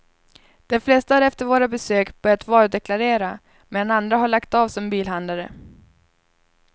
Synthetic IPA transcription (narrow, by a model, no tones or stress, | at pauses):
d̪̥ɛmflɛst̪aɾɛft̪əɾvoːɾabɛsøːkb̥œɾjat̪vɑːɾd̪ɛkʰlaɾeːɾa | meːd̪anand̪ɾaɦaɭakt̪aːvsɔmbiːlɦand̪laɾə̰